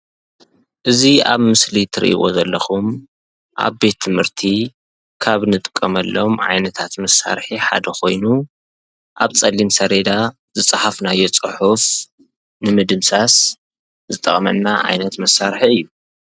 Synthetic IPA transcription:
ʔɨzia̰βmɨslit̪ʰɨɾ̰ʔḭʔo̞̰zɐlːɐxum | ʔa̰βbe̞t̪ʰːɨmhɨɾt̪ʰi | kʰaβnɨt̪ʼɨkʼːɐmɐlːomʕa̰jnɐt̪ʰat̪mɐsːa̰ɾħiħa̰d̪ɐkʰo̞̰jnu | ʔaβt͡sʼɐlːinsɐɾed̪a | zɨt͡sʼħafnajo̞t͡sʼɨħuf | nɨmɨd̪ɨmsas | zɨt̪ʼɐχʼmɐ̰nːaʕa̰jnɐt̪mɐsːaɾħiɨjːu

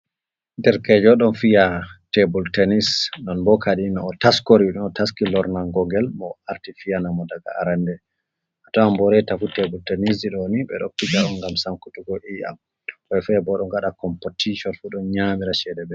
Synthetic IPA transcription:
ndɛɾkɛd͡ʒɔɗɔnfijatebultɛnisnɔnbɔkaɗinɔɔtaskoɾiɗɔnɔtaskilɔɾnaŋɡɔŋɡɛlmɔaɾtifijanamɔdaɡa̰a̰ɾandɛ | ʔatawambɔɾɛtafutebultenis̬diɗɔniɓɛ̰ɗopːid͡ʒaɗɔŋɡamsamkutuɡɔʔia̰m | ɔfɛbɔɗɔŋɡaɗakɔmpɔtiʃɔnfuɗɔnɲamiɾaʃɛdɛbɛ

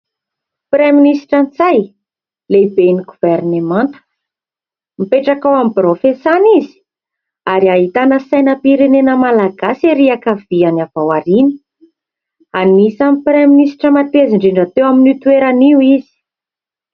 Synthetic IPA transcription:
pɾeminisi̥ʈ͡ʂant͡saj | leibeniɡuvernemant̪ə̥ | mipeʈ͡ʂakawamiprofesanizi̥ | aɾiaɦit̪anəsajnəpiɾenenəmalaɡaseɾiakəvianavawaɾinə̥ | anisamipreminisi̥ʈ͡ʂəmat̪eziɳɖ͡ʐeɳɖ͡ʐat̪ewaminit̪weɾaniwizi̥

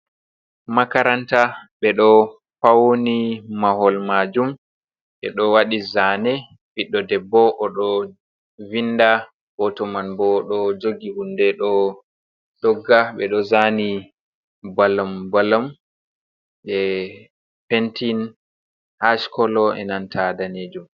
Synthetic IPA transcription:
makaɾantaɓɛɗɔ | fawonimahɔlmad͡ʒum | ɓɛ̰ɗɔwaɗizanɛ | biɗːɔdɛbːɔʔɔɗɔ | vinda | b̥ɔtɔmanbɔɗɔd͡ʒoɡihundɛɗɔ | ɗɔɡːaɓɛɗɔzani | balambalam | ɓɛ | pentin | haʃkɔlɔɛ̰nantʰadaned͡ʒum

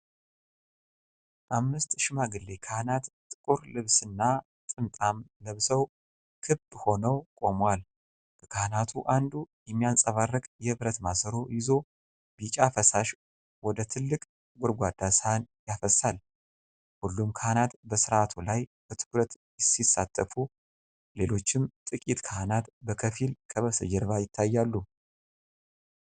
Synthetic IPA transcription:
ʔamːɨst̪ʃɪmaɡɨlːekʰahnat̪t̪ʼɨkʼuɾlɨβsɨnːa | t̪ʼɨnt̪ʼamləβsəw | kʰɨbho̞nəwkʼo̞mwal | b̥əkʰanat̪ʰuʔand̪ujɛmːijansʼəβarːɨkʼjɛɨβɾət̪masəɾo̞jɪzo̞ | bit͡ʃʼafəsaʃ | wɔd̪ət̪ʰɨlːɨkʼ | ɡʷɔɾɡʷad̪asanjafəsal | hulːumkʰahnat̪bəsɨɾat̪ʰulajb̥ət̪ʰɨkɾət̪jɪsisat̪ʼːəfu | le̞lo̞t͡ʃːɪmt̪ʼɨkʼit̪kʰahnat̪bəkʰəfilkʰəβəsəd͡ʒɛɾβajɪt̪ʰːajːalːu

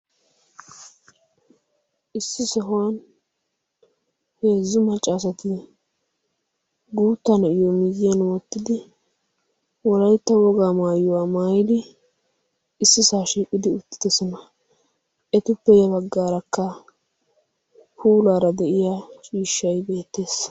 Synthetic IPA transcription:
ʔɪsːɪsɔɦʊwan | he̞ːzːʊmɐt͡ʃʼːaːs̬ɐt̪ɪ | ɡuːt̪ːɐnɐʔɪjɔmɪɡɪjɐnwɔt̪ːɪd̪ɪ | wɔlɐjt̪ːɐwɔɡaːmaːjːʊwaːmaːjɪd̪ɪ | ɪsːɪsaːʃiːkʼɪd̪ɪʊt̪ːɪ̥d̪ɛsɔnɐ | ʔɛt̪ʊpːɛjɛbɐɡːaːɾɐkːɐ | huːlaːɾɐd̪ɛʔɪjat͡ʃʼiːʃːɐjbe̞ːt̪ːe̞ːs

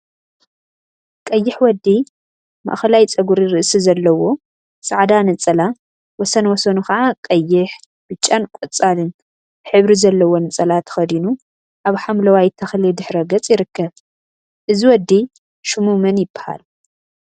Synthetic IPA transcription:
kʼɐjːɪħwɔd̪ːi | ma̰ʔxɐlajt͡sʼɐɡuɾiɾɨʔsizɐlːɐwo̞ | saʕd̪anɨt͡sʼɐla | wɔsɐnwɔsɐnuxɐʕakʼɐjːɪħ | b̥ɨt͡ʃʼːankʼɔt͡sʼalɨn | ħɨβɾizɐlːɐwo̞nɨt͡sʼɐlat̪ʰɐ̥xɐd̪inu | ʔaβħamlɐwajt̪ʰɐxlid̪ɨħɾɐɡɐt͡sʼjɪɾɨkːɐβ | ʔɨziwɔd̪ːi | ʃumumɐnjɪbːḁha̰l

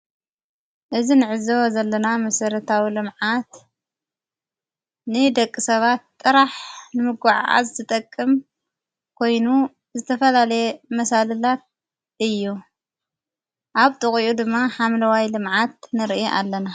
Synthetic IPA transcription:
ʔɨzinɨʕɨzozɐlːɐnamɐsɐɾɐt̪ʰawilɨmʕat̪ | nɨd̪ɐkʼːisɐβat̪ːʼɨɾaħnɨmɨɡaʕa̰zɨt̪ʰɨt̪ʼɐkʼːɨm | kʰo̞jnu | zɨt̪ʰɐfɐlalɐjemɐsalɨlat̪̚ | ɨjːu | ʔaβt̪ʼɨχʼiʔud̪ɨmːaħamlɐwajlɨmʕat̪̚nɨɾʔiʔa̰lːɐna

